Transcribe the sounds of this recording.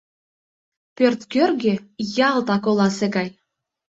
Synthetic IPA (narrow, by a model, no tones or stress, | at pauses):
pørt̪kørɡʲĕjɑlˠt̪ɑkolˠɑseɡɑj